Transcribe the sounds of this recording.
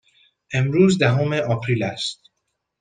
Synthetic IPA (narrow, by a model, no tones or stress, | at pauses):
ʔemɾuːzd̪æɦomeʔɒpʰɾilæst̪̚